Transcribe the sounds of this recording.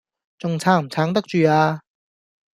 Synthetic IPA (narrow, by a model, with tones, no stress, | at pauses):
t͡sʊ˨ŋt͡sʰaː˨˥ŋm̩˨˩t͡sʰaː˨˥ŋt̪ɐ˥k̚t͡ʃyː˨aː˧